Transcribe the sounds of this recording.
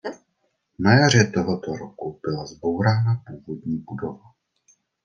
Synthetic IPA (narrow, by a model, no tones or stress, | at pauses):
najar̝ɛt̪oɦot̪oɾokub̥ɪlazbo̞wɾaːnapuːvodɲiːbudova